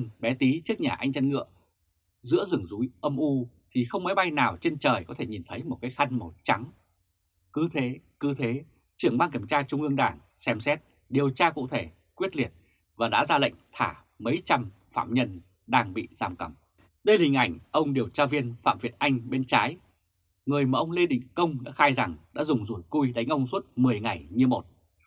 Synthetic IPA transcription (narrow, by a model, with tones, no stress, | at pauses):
nɓɛ˨˦t̪i˨˦t͡ɕɨ˦˥ək̚ɲaː˨˩ʔa˧jŋ̟t͡ɕə˧nŋɨ̰˧˨ə | zɨ̰˧˥əzɨ˨˧˩əŋzu˨˦jʔə˧mʔu˧t̪ʰi˨˩xə˧wŋ͡mma˨˦jɓa˧jnaː˨˩wt͡ɕe˧nt͡ɕəː˨˩jkɔ˨˦t̪ʰe˧˩ɲi˨˩nt̪ʰə˨˦jmo˨˩t̚kaː˨˦jxa˧jŋ̟mə˨˩t̚t͡ɕa˨˦ŋ | kɨ˨˦t̪ʰe˨˦kɨ˨˦t̪ʰe˨˦ | t͡ɕɨ˧˩əŋɓaː˧nki˧˩əmt͡ɕaː˧t͡ɕʊ˧ŋ͡mʔɨ˧əŋɗaː˧˩ŋ | sɛ˧msɛ˦˥t̚ | ɗi˨˩əwt͡ɕaː˧kṵ˧˨t̪ʰe˧˩ | kwi˦˥ət̚li˨˩ət̚ | vaː˨˩ɗa̰ː˧˥zaː˧lə̰˧˨jŋ̟t̪ʰaː˧˩ | mə˨˦jt͡ɕa˧m | faː˧˨mɲə˧n | ɗaː˧ŋɓḭ˧˨zaː˧˩mkə˧˩m | ɗə˧jhï˨˩ŋ̟ʔa˧˩jŋ̟ʔə˧wŋ͡mɗi˨˩əwt͡ɕaː˧vi˧ənfa̰ː˧˨mvi˨˩ət̚ʔa˧jŋ̟ɓe˧nt͡ɕaː˨˦j | ŋɨ˨˩əjmaː˨˩ʔə˧wŋ͡mle˧ɗḭ˧˨ŋ̟kə˧wŋ͡mɗa̰ː˧˥xaː˧jza˨˩ŋɗa̰ː˧˥zʊ˨˩ŋ͡mzu˧˩jku˧jɗa˨˦jŋ̟ʔə˧wŋ͡mswə˦˥t̚mɨ˨˩əjŋa˨˩jɲɨ˧mo˨˩t̚